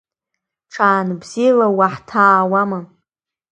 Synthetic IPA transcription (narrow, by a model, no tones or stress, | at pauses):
ʈ͡ʂʰaːnbzilawaħtʰaːwama